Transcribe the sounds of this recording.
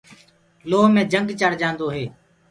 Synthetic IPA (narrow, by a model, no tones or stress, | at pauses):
loːɦmẽːd͡ʒəŋɡt͡ʃəɽ̤d͡ʒãːnd̪oːɦeː